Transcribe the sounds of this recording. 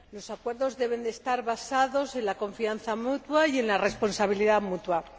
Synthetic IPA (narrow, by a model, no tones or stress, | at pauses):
lo̞sakwe̞ɾðo̞zðe̞β̞e̞nd̪est̪aɾβasaðo̞sẽ̞nlako̞ɱfianθamut̪waje̞nlare̞spo̞nsaβ̞iliðamut̪wa